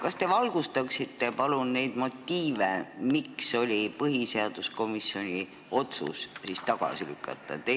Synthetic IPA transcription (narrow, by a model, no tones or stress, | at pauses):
kɑst̪e̞vɑlɡ̥ust̪ɑksit̪ːepɑlunne̞jd̪̥mo̞t̪ʲːiːvemikso̞lʲipɤɦise̞ɑd̪̥usko̞misio̞nʲi | o̞t̪sṵssist̪ɑɡ̥ɑ̰silykˑːɑ̰t̪ːˑɑ̰t̪e